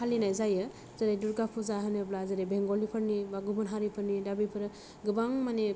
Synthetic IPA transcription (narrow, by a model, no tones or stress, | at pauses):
alinajzajɯ | zaɾajduɾɡapʰuzaɦɯnɯblazaɾebeŋɡɔlipʰɯɾnibaɡubɯnɦaɾipʰɯɾnidabipʰɯɾɯ | ɡɯbaŋmane